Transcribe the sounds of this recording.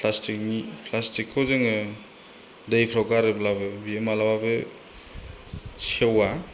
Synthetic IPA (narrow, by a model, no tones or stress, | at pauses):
pʰlastikipʰlastikʰːɔzeŋɯ | dejpʰɾɔwkaɾɯblabɯbiemalababɯ | sewa